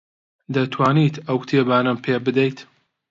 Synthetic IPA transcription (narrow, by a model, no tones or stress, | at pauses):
d̪ɐt̪ʰwaːniːt̪ʰɐwt̪ʰeːbaːnɐmpʰeːbɨd̪ɛjt̪